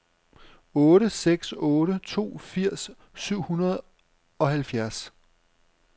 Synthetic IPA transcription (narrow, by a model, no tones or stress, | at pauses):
ɔːɾəseɡ̥sɔːɾət͡sʰo̝̰ːfiɐ̰sː | yʊ̰hunɐð̞̩ˠ | ɒ̽hælfjæɐs